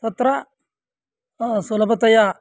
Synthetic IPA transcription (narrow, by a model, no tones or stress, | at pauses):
t̪ɐt̪ɾɐ | solɐbɐt̪ɐjaː